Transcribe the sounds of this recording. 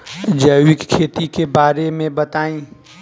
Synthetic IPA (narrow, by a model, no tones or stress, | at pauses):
d͡ʒəjwɪkkʰːeːt̪ikebaːɾemẽbət̪aːĩ